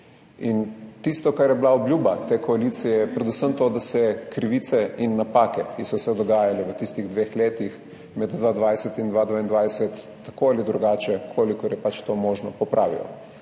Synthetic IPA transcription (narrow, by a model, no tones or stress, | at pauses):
int̪ist̪ɔkaɾjɛbilaɔblʲjuːbat̪ekɔalit̪sijɛpɾɛd̪usəmt̪oːd̪asɛkɾiʋiːt̪sɛinːapaːkɛkisɔsɛd̪ɔɡaːjalɛʋət̪ist̪iɣd̪ʋeːxleːt̪ix | mɛd̪d̪ʋaːd̪ʋajsɛt̪ind̪ʋad̪ʋaːind̪ʋajsɛt̪ːḁkoalid̪ɾuɡaːt͡ʃɛkʰoːlikɔɾjɛpat͡ʃt̪omoːʒnɔpɔpɾʔaːʋḭlɔ̰